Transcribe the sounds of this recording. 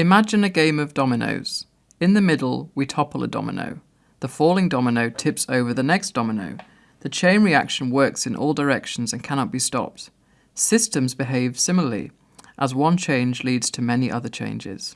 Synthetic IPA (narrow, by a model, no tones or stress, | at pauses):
ɨmad͡ʒɨ̃nɨɡẽɪ̃mʌvdɒmɨno̰ʊz̥ | ɨ̃nðɨmɪdl̩ˠwitʰɒpəlˠə̰dɒ̰mɪ̰no̰ʊ | ðəfɔːlˠɪ̃ŋdɒmɨnoʊtʰɪpsoʊvə˞ðɨnɛksd̥ɒmɨno̰ʊ | ðɨt͡ʃʰẽɪ̃nɹia̰kʃə̃n̩wɜ˞ksɨ̃nʔɔ̰lˠdə˞ɛkʃn̩zə̃nkʰañɑt̚b̥istɒ̰p̚t | sɪstɨ̃mzbɪɦeɪv̥sɪ̃ml̩ˠəlḭ | ʔəzwʌ̃nt͡ʃʰẽɪ̃nd͡ʒlidz̥tʰəmɛniʔʌðə˞t͡ʃʰḛ̃ɪ̃nd͡ʒɪ̰z̥